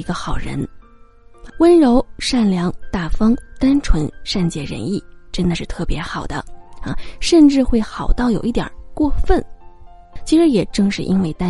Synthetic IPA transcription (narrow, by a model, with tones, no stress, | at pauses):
i˧˥ɡə˧xɑ˨˩ʊɻə̰˧˥n | wə˥nɻo˧˥ʊʂa˥˩nljɑ˧˥ŋt̪a˥˩fɑ˥ŋt̪a˥nʈ͡ʂʰwə˧˥nʂa˥˧nt͡ɕjɛ˥˩ɻə̰˧˥ni˥˩ʈ͡ʂə˥nd̪ə˨˧ʂɻ̩˥˧t̪ʰɤ˥˩pjɛ˧˥xɑ˨˩ʊd̪ə̰˦ɐ˧˩ʂə˥˧nʈ͡ʂɻ̩˥˧xwe˥˩ɪxɑ˨˩ʊt̪ɑ˥˩ʊjo˨˩ʊi˥˩t̪jɑ̰˨˩kwɔ˥˧fə˥˩n | t͡ɕʰi˧˥ʂɻ̩˧˥jɛ˨˩ʈ͡ʂɤ˥˧ŋʂɻ̩˥˩ʔi˥nwe˥˩ɪt̪a˥